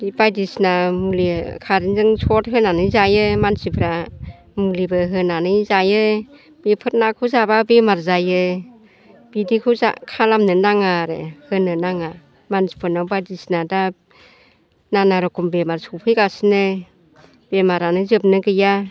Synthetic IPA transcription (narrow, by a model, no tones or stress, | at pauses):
bajdisnamulikʰaɾinzɯŋsʰɔt̚ɦɯnanɯjzajɯmansipʰɯɾa | mulibɯɦɯnanɯjzajɯ | b̥epʰɯt̚nakʰuzababemaɾzajɯ | b̥idikʰuza̰kʰalamnɯnaŋaɾɯ̰hɯnɯnaŋa | mansi̥pʰɯnawbajdisnada | nanaɾɔkʰumbemaɾsupʰɯjɡasinɯ | b̥emaɾanɯzɯp̚nɯɡɯja